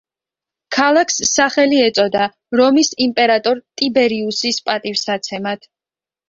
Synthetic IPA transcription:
kʰalˠakʰsːaχɛliɛt̪sʼɔd̪a | ɾɔmisimpʼɛɾat̪ʼɔɾt̪ʼibɛɾiusispʼat̪ʼivsat̪sʰɛmat̪ʰ

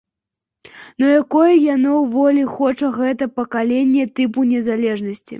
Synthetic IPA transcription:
nɔjakɔjɛjanɔwvɔlʲixɔt͡ʂɐɣɛt̪ɐpɐkalʲenʲːɛt̪ɨp̬unʲɛzalʲɛʐnɐsʲt͡sʲḭ

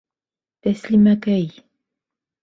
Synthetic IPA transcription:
t̪aslɪmakaj

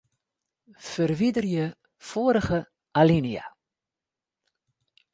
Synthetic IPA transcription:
fərʋidərjə | foəɾəχə | ʔalinia̰

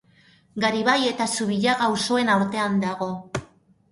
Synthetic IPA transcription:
ɡaɾiβaje̞t̪asuβiʎaɣawso̞e̞naɾt̪e̞and̪aɣ̞o̞

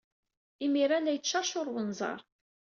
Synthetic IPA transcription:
imiɾænæjt͡ʃːɑʃʊɾˤwənzˤɑ̰ɾˤ

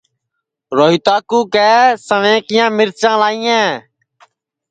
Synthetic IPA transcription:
ɾoːɦit̪aːkuːkɛːsəʋẽːkɪjãːmɪɾt͡ʃãːlaːĩːɛ̃ː

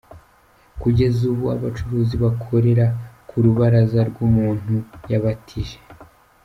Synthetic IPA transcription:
kuɟe̞zuβua̰βat͡ʃuɾuːziβakʰo̞ɾe̞ɾakʰuɾuβaɾazaɾɡumuːn̥ujaβatʰiʒe̥

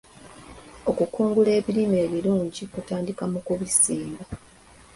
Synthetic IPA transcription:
o̞kukuːŋɡule̞ːβilime̞ːβiluːɲɟikutaːndikamukuβisiːmba

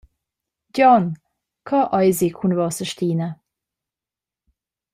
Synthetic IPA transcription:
ɟɔn | kʰɑʔɑjzikʰunvɔsəʃt̪iːnə

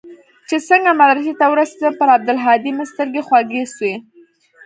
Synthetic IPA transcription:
t͡ʃesəŋɡamad̪ɾɪket̪awəɾased̪əpəɾab̚d̪ʊlɦɑd̪imast̪əɾɡexwaɡeswe

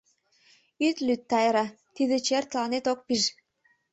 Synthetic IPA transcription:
yt̪lyt̪ːɑjɾɑ | t̪id̪et͡ɕert̪lɑnet̪ok̚piʒ

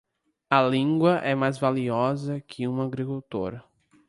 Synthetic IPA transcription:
ɐlĩŋɡwɐʔɛmajzvaliɔzɐkʰɪũmɐaɡɾikuwt̪o̰ɾɐ

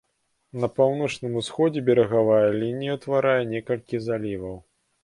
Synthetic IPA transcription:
nɐpawnɔt͡ʂnɨmusxɔd͡zʲɛbʲɛɾɐɣavajɐlʲinʲijɐt̪vaɾajɛnʲɛkɐlʲkʲizalʲivɐw

